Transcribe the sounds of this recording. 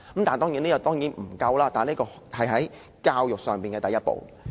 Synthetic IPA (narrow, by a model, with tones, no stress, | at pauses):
kə˨˥mt̪aː˨˩nt̪ɔː˥ŋjiː˨˥niː˥jɐ˨˧˩t̪ɔː˥ŋjiː˨˥nm̩˨˩kɐ˧wlaː˥t̪aː˨nliː˥kɔː˧ | hɐ˨jɦɐ˨˥j | kaː˧wjʊ˨k̚sœː˨ŋpiː˨nkɛ˧ɐ˨jɐ˥t̚po̰˨w